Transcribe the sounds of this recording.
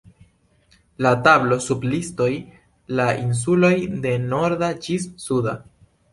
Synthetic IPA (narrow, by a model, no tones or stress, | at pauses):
latablo̞sublisto̞j | laʔins̬ulo̞jde̞no̞ɾdad͡ʒisːuda